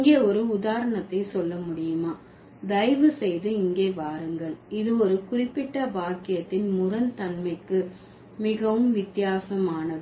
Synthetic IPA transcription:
ɪŋɡeːɔɾɯʊðaːɾɐɳɐt̪ːɐɪsɔlːɐmʊɽɪjɯmaː | d̪ɐjʋɯsɛjðɯɪŋɡeːʋaːɾɯŋɡɐɭɪðɯɔɾɯkʊrɪpːɪʈːɐʋaːkɪjɐt̪ːɪnmʊrɐnt̪ɐnmɐɪkːɯ | mɪɣɐʋɯmʋɪt̪ːɪjaːsɐmaːnɐðɯ

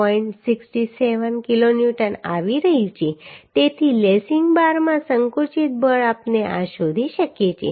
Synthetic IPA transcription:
ɔiɳʈsiksʈiseʋənkiloniʈəna̰ʋiɾəɦit͡ʃʰet̪et̪ʰilesiŋɡbaɾmãsəŋkut͡ʃit̪̚bʱəɭapneʔa̰ʃod̪ʱiʃəkjet͡ʃʰḛ

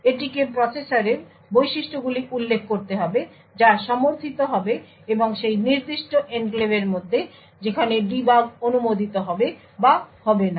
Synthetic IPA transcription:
eʈikepɾɔsesaɾeɾ | bojʃiʃʈoɡuliulːekʰkoɾt̪eɦɔbe | d͡ʑaʃɔmoɾt̪ʰit̪oɦɔbe | eboŋʃejniɾd̪iʃʈoʔenklebeɾmod̪ʱːe | d͡ʑekʰaneɖibaɡonumod̪ʱit̪oɦɔbe | bahɔbena

